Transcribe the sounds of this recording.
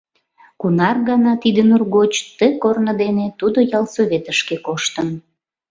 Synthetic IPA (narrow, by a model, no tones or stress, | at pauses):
kunɑrɣɑnɑt̪id̪enurɣot͡ɕt̪əkornəd̪enet̪ud̪ojɑlsoβʲet̪əʃkekoʃt̪ən